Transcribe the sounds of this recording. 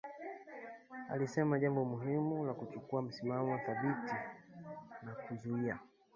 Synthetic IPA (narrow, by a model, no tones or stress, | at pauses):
a̰lisɛmaʄambɔmuɦimulakut͡ʃukuam̩simamɔwaθaɓiti | nakuzuia